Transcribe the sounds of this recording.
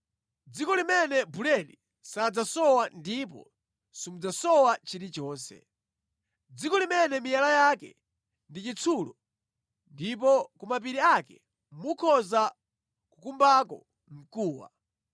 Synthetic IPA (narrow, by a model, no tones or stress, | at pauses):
d͡zikɔlimɛnɛbulɛɗi | sad͡zasɔwandip̬ɔ̰ | simud͡zasɔwat͡ʃiɾit͡ʃɔːnsɛ̰ | d͡zikɔlimɛnɛmijalajakɛ̰ | ndit͡ʃit͡sʰuːlɔ | ndip̬ɔkumap̬iɾiakɛ | mukʰɔza | kukumbakɔ | m̩kuːwa̰